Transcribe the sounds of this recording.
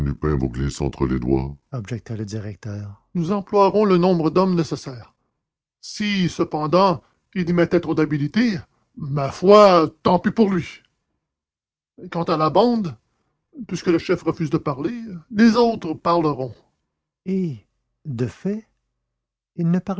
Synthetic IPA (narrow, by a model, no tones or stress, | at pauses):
lypɛ̃vṵɡlisɑ̰̃t̪χəlḛd̪wa̰ɔbʒɛk̚t̪aləd̪iʁɛk̚t̪œːʁnuzɑ̃plwaʁɔ̃lənɔ̃bʁəd̪ɔmnesesɛːʁ | sisəpɑ̃d̪ɑ̃ | ilimɛt̪ɛ̃t̪ʁod̪abilit̪e | mafwat̪ɑ̃pipuʁlɥi | kɑ̃t̪alabɑ̃d̪ | pɥiskələʃɛfʁəfyːzd̪əpaʁlelezoʊt̪χəpaʁləʁɔ̃ | e | d̪əfɛ | ilnəpaʁ